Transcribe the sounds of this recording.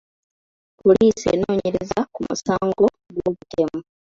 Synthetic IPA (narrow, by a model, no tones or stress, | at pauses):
poliːsḛːno̞ːɲeɾezakumṵsaːŋɡo | ɡwoːβute̞mu